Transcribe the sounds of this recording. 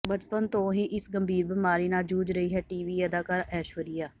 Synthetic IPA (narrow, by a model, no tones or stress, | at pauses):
bəd͡ʒpənt̪õːɦĩːʔɪsɡəmbʱiːɾbəmaːɾiːnaːd͡ʒuːd͡ʒɾəiːɦɛːʈiːʋiːəd̪aːkaːɾɛːʃəɾijaː